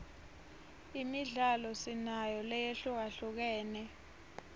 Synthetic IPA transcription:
imiɮalɔsinajɔlɛjeɬuk̬aɬuk̬ɛːnɛ

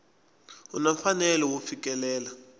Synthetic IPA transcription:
unaɱ̩fanɛlɛwufik̬ʼɛlɛːla

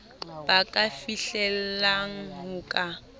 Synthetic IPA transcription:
b̥akʼafiɬɛl̩laŋ̩ɦʊkʼa

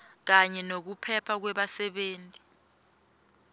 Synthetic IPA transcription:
k̬aɲɛnok̬upʰɛpʰak̬wɛɓasɛɓeːntʼi̥

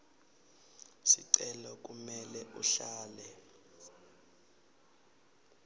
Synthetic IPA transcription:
sḭǀɛlɔk̬ʼumɛlɛʔuɬaːlɛ

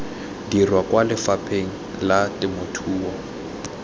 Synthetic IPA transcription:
dirwakʼwalɪfapʰeŋ̩ | latʼɪmotʰuːwɔ

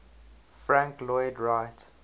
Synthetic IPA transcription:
fɹãŋklɔɪdɹaɪt

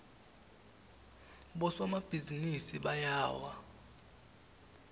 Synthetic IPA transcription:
ɓɔsɔmab̥ʱizinisiɓajaːwa

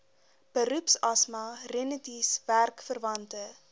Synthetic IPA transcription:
b̥əɾʉpsɐsmɐrenətisværkfərvɐntə

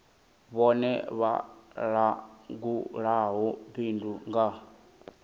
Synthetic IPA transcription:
βɔnɛ̰βa̰ɺaɡuɺaɦɔbinduŋɡa

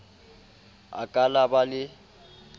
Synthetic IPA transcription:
a̰kʼalabalɪ

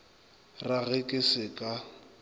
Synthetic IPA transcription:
raɣɛkʼɪsɪkʼa

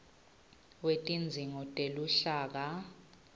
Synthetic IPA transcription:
wetʼind͡zʱiŋɔtʼeluɬaːk̬a

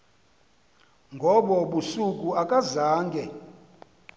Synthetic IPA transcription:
ŋɡʱɔɓɔɓusukʼuakʼazaːŋɡʱɛ

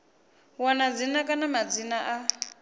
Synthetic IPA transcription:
wanad͡zinakʼanamad͡zinaʔa

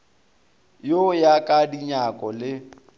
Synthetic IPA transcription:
jojakʼadiɲakʼɔlɪ

